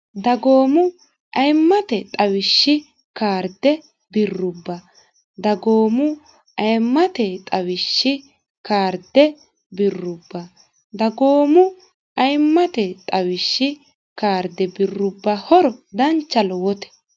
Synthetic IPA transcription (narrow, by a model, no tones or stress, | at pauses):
d̪ɐɡo̞ːmʊ | ʔɐjmːɐt̪ɛt̪ʼɐwɪʃːɪ | kaːɾd̪ɛ | bɪrːʊbːɐ | d̪ɐɡoːmʊ | ʔɐjmːɐt̪ɛt̪ʼɐwɪʃːɪ | kaːɾd̪ɛ | bɪrːʊbːɐ | d̪ɐɡo̞ːmʊ | ʔɐjmːɐt̪ɛt̪ʼɐwɪʃːɪ | kaːɾd̪ɛbɪrːʊbːɐhɔɾɔd̪ɐnt͡ʃːɐlɔwɔt̪ɛ̥